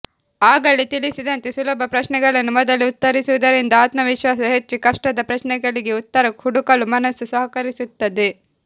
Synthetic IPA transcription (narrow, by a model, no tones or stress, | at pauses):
aːɡɐɭit̪ilisid̪ɐnt̪esulɐbʱɐpɾɐʃnɛɡɐɭɐnːumɔd̪ɐliut̪ːɐɾisuʋud̪ɐɾind̪ɐaːt̪mɐʋiʃʋaːsɐɦet͡ʃːikɐʂʈɐd̪ɐpɾɐʃnɛɡɐɭiɡe̞ut̪ːɐɾɐkhuɽukɐlumɐnɐsːusɐɦɐkɐɾisut̪ːɐd̪e